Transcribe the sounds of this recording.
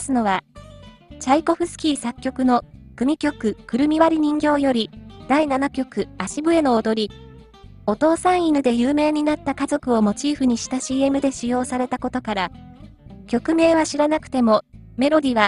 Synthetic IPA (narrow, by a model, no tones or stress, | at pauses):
sɨno̞βa | t͡ɕaiko̞ɸɯ̟sɨ̥kʲiːsakʲːo̞kɯ̟no̞kɯ̟mʲikʲo̞kɯ̟kɯ̟ɾɯ̟mʲiβaɾʲiɲ̟ĩŋɡʲo̞ːjo̞ɾʲid̪̥ainanakʲo̞kɯ̟aɕibɯ̟e̞no̞ːd̪o̞ɾʲi | o̞t̪o̞ːsãɰ̃inɯ̟d̪e̞jɯ̟ːme̞ːɲ̟inat̪ːakazo̞kɯ̟o̞mo̞t͡ɕiːɸɯ̟ɲ̟iɕi̥t̪aɕiːe̞mɯ̟d̪e̞ɕijo̞ːsaɾe̞t̪ako̞t̪o̞kaɾa | kʲo̞kɯ̟me̞ːβaɕiɾanakɯ̟̥t̪e̞mo̞ | me̞ɾo̞d̪ʲiβa